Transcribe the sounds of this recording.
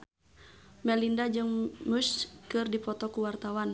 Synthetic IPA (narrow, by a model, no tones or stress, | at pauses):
mɛlindad͡ʒɨŋmuskɨrdipɔt̪ɔkuwart̪awan